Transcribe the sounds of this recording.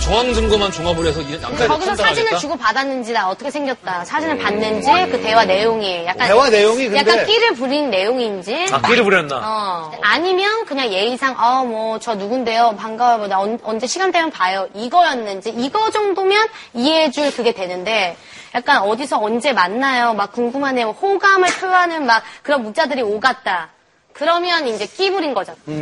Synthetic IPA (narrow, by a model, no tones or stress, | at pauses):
t͡ɕoŋaŋd͡ʑɯŋɡɯmant͡ɕoŋabuɾʌsʰʌiɯat͡ɕʌɡɯsʰad͡ʑinɯɭt͡ɕuɡopadanːɯnd͡ʑidaʌt͈ʌkʰesʰeŋɡjʌt̚t͈asʰad͡ʑinɯɭpanːɯnd͡ʑikɯte̞wane̞joŋiejakk͈anewanejoŋikɯjakk͈ank͈iɾɯɭp̬uɾinnːejoŋind͡ʑiakiɾɯɭpuɾjʌnːa̰ʌ | aɲimjʌnkɯɲaŋje̞isʰaŋʔamwʌt͡ɕʌnuɡunde̞jopaŋɡabdʌnd͡ʑe̞ɕʰiɡant͈emʌnpajoiɡʌjʌnːɯnd͡ʑiiɡʌd͡ʑʌŋdomjʌnieɦed͡ʑuɭkɯɡe̞dwe̞nɯnde̞ | jak͈̚anʌdisʰʌːnd͡ʑe̞manːajomak̚k͈uŋɡumɦanemwohoɡamɯɭpʰjuɦanɯnmak̚k͈ɯɾʌnmut͡ɕ͈adɯɾioɡat̚t͈a | kɯɾʌmjʌnind͡ʑe̞k͈ibuɾinɡʌd͡ʑʌ